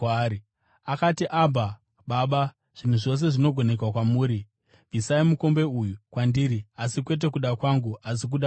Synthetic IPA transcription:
i | akatiʔabʱa | ɓaɓa | ʐ̥in̤uʐo̞s̬e̞ʐino̞ɡʱo̞ne̞kwakwamuːɾi | visaimuko̞mbe̞ujukwandiːɾiasikwe̞t̬e̞kuɗakwaŋɡuas̬ik̬uɗa

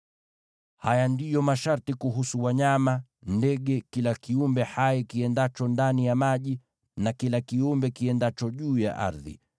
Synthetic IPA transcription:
hajandijɔmaʃaɾtikuɦusuwaɲamandɛɠɛkilakiumbɛhajɛkiɛndat͡ʃɔndanijamaʄi | nakilakiumbɛkiɛndat͡ʃɔʄuːja̰ʔa̰ɾðḭ

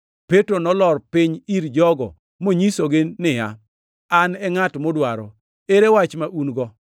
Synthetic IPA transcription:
petɾonɔlɔrpɪɲiɾd͡ʒɔɡɔ̰ | moɲisoɡɪnɪja̰ | anɛŋatmodwaɾɔ̰ | eɾewat͡ʃmaʔunɡɔ

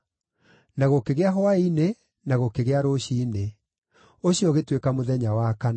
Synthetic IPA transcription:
naɣokeɣeaɦɔaine | naɣokeɣeaɾoɕiːne | oɕiɔɣetwekamoðɛɲawakan

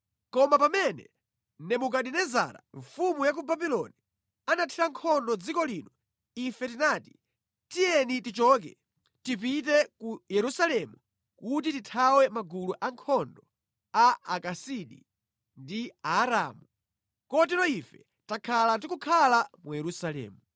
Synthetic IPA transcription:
kɔmapamɛnɛ̰ | nɛmuk̬aɗinɛza̰ɾa̰ɱfumujak̬ubabilɔ̰ni | anatʰiɾaŋkʰɔndɔd͡zikɔliːnɔ | ifɛtinaːti̥ | tijɛnitit͡ʃɔːk̬ɛ | tip̬it̬ɛkujɛɾusalɛmu | kut̬ititʰawɛmaɡuluʔaŋkʰɔndɔ | aakasiɗi | ndiaːɾaːmu | kɔtilɔifɛ | takʰalandikukʰalamujɛɾusalɛ̰ːmu

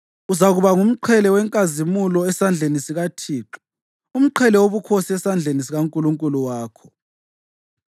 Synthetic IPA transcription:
uzaɣuβaŋum̩ǃʰɛlɛwɛŋkʼazimulɔɛsand͡ɮʱenisiɣatʰiːǁɔ̥ | um̩ǃʰɛlɛwoβukʰosiɛsand͡ɮʱenis̬iɣaŋkʼuluŋkʼuluwaːkʰɔ̥

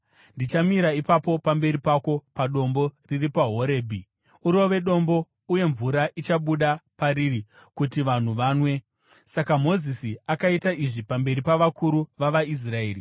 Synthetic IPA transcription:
ndit͡ʃamiɾaipapo̞pambe̞ɾipako̞paɗo̞mbo̞riripaɦo̞ɾe̞ːbʱi | uɾo̞ʋe̞ɗo̞mbo̞ | uje̞ɱvuɾaʔit͡ʃaɓuɗapaɾiri | kutiʋan̤uʋaːnwe̞ | sakamo̞zisiakaitaiʐipambe̞ɾipaʋakuɾuʋaʋais̬rae̞ːri

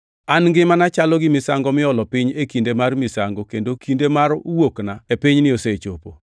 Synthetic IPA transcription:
anŋɡɪmanat͡ʃalɔɡɪmɪsaŋɡɔmɪɔlɔpɪɲekindemarmɪsaŋɡokendokʰindemaɾuwoknaepɪɲnɪoset͡ʃopo

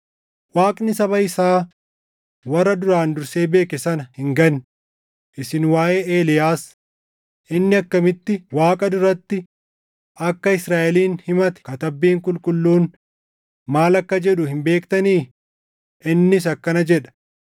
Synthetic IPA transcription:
waːkʼnɪsɐβɐɪsaː | wɐrːɐd̪ʊɾaːnd̪ʊɾse̞ːbe̞ːkɪsɐnɐhɪŋɡɐn | ʔɪsɪnwaːʔeːeːlɪjaːs | ʔɪnːɪɐkːɐmɪt̪ːɪwaːkʼɐd̪ʊɾɐt̪ːɪ | ʔɐkːɐɪsɾaːʔɛliːnhɪmɐt̪ɛ̥kɐt̪ɐbːiːŋkʼʊlkʼʊlːuːn | maːlɐkːɐd͡ʒɛᶑʊhɪmbe̞ːkt̪ɐniː | ɪnːɪs̬ɐkːɐnɐd͡ʒɛᶑɐ̥

